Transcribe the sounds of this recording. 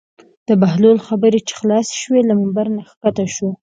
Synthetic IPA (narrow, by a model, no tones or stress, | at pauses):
d̪̥əbaɦlolxabəɾet͡ʃe̥xlɑsʃwelamambaɾnaxkat̪aʃo